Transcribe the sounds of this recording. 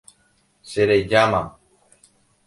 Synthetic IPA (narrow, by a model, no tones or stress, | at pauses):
seɾeʎama